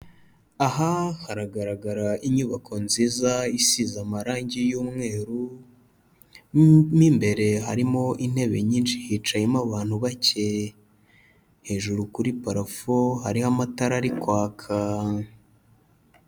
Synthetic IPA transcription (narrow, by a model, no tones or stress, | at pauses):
aɦahaɾaɡaɾaɡaɾaiɲuβakʰo̞nziːzaisizamaɾaːɲɟijuːmŋe̞ːɾu | miːmbe̞ɾe̞ɦaɾimo̞ʔin̥he̞βe̞ɲiːnʃihit͡ʃajemaβaːn̥huβace̞ | he̞ːʒuɾukuɾipaɾafohaɾihamataɾaɾikwaːkʰa